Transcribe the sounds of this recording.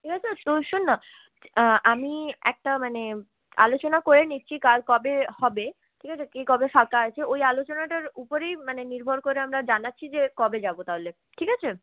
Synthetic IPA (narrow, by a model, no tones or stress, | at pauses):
ʈʰikat͡ɕʰet̪oʃunːa | ʔamiɛ̰k̚ʈamane | a̰lot͡ɕonakoɾeniːɕʰikalkɔbehɔbe | ʈʰikat͡ɕʰekikɔbefakaɦot͡ɕʰeojalot͡ɕonaʈaɾupoɾejmaneniɾbʱoɾkoɾeamɾad͡ʑanatːɕʰid͡ʑekɔbed͡ʑabot̪aɦole | ʈʰikat͡ɕʰe